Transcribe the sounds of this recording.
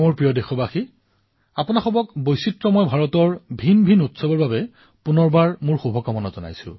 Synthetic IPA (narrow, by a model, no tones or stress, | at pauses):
ʊɹpɹijɔdexɔbaxi | apʊnaxɔbɔkbojsitɹɔmɔjbʱaɹɔtɔɹbʱinbʱinutsɔbɔɹbabɛ | punɔɹbaɹmʊɹxubʱɔkamɔnɔzɔna̰jsʊ̰̃